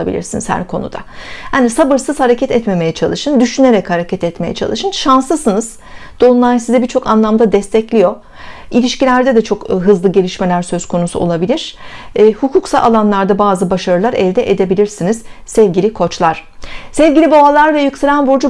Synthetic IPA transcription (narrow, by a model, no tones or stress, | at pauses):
abḭlʲḭɾsinizhæ̰ɾkʰo̞̰nṵd̪a̰haːnisabɯɾsɯz̥haɾecʰɛt̪ɛt̪me̞me̞jɛt͡ʃʰalˠɯʃɯnd̪yʃyneɾɛchaɾecʰɛt̪ɛt̪me̞jɛ̰t͡ʃʰa̰lˠɯʃɯnʃanslɯsɯnɯz̥ | d̪̥o̞unlˠaɾsizɛbiɾt͡ʃʰo̞kanlˠamd̪ad̪ɛst̪ʰɛclʲijo̞ | ilʲiʃcilʲæɾd̪ɛd̪ɛt͡ʃʰo̞kɦɯzlˠɯɟe̞lʲiʃme̞lʲæɾsø̞z̥kʰo̞nusṵolˠabilʲiɾ̥ːhukʰuksala̰lˠanlˠaɾd̪abaːzɯbaʃaɾɯlˠaɾɛlʲd̪ɛʔed̪e̞bilʲiɾsiniz̥sɛvɟilʲikʰo̞t͡ʃlˠaɾ̥sɛvɟilʲibabalˠaɾvɛjuksaɾanbuɾd͡ʒu